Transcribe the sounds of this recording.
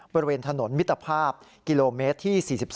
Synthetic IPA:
bɔː˧ɾi˧weː˧nt̪ʰa˧no˩˦nmi˦˥t̪ːa˧pʰaː˥˩p̚ | ki˧loː˧meː˦˥t̪ʰːiː˥˩siː˨˩si˨˩p̚

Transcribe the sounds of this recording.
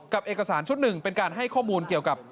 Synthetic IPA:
ka˨˩p̚ʔeː˨˩ka˧saː˩˦nt͡ɕʰu˦˥t̪̚nɯ˨˩ŋpe˧nkaː˧nɦa˥˩jkʰɔː˥˩muː˧nki˨˩əwka˨˩p̚

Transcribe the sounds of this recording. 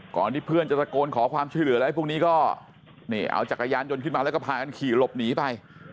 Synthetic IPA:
kɔ̰ː˨˩nt̪ʰiː˥˩pʰɯ˥˩ənt͡ɕa˨˩pɾa˧koː˧nkʰɔː˩˦kʰwaː˧mt͡ɕʰu˥˩əjlɯ˩˦lɛ˦˥˩pʰu˥˩ŋniː˦˥kɔː˥˩ | niː˥˩ʔa̰˧wt͡ɕa˨˩kːa˧jaː˧njo˧nkʰɯ˥˩nmaː˧lɛ˦˥kɔ˥˩pʰaː˧ka˧nkʰiː˨˩lo˨˩p̚niː˨˩˦pa˧j

